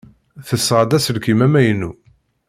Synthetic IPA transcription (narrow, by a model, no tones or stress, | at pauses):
θəsːʁəd̪æsəlkimæmæjnːu